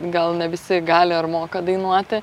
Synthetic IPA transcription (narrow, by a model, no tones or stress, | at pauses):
ɡɐlˠnʲɛʋʲɪsʲɪɡɑːlʲɪɐɾmoːkɐd̪ɐɪnuɔt̪ʲɪ